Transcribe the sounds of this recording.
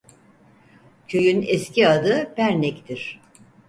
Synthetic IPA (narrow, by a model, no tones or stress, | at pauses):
cʰø̞jynɛsciad̪ɯpæɾnɛct̪ʰiɾ̥